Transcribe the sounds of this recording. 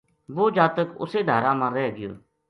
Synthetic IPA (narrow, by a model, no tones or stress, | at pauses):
ʋoːd͡ʒaːt̪əkʊ̰seːd̪ʱaːɾãːmãːɾɛːɡɪjo̰ː